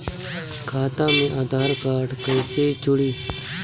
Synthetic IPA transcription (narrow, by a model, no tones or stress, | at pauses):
kʰaːt̪ãːmẽːʔaːd̪ʱaːɾkaːʈkət͡ʃeːit͡ʃʊɽiː